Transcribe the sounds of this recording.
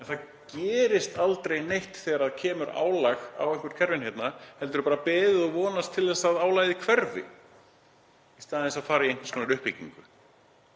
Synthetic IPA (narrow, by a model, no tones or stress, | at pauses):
ɛnθað | cɛːɾɪst̪alt̪ɾejnejht̪θɛːɣaɾaðcʰɛːmʏɾa̰ːwlaɣa̰wɛŋkʏɾ̥kʰɛɾvɪnhejt̪nahɛlt̪ʏɾʏpaːɾapɛːðɪðɔɣvɔːnast̪ʰːɪlɛsaðaːwlaːjðɪkʰvɛɾvɪ̰ | ist̪aːðɪ̃θɛsaðfaːɾaiejŋkv̥ɾskʰɔːnɪɾʏhpːɪcḭŋkʏ